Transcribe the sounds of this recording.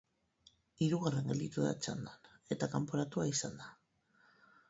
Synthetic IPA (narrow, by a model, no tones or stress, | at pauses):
iɾuɣare̞ŋɡeld̪it̪uða̰t͡ʃa̰nd̪ane̞t̪akampoɾat̪uaisand̪a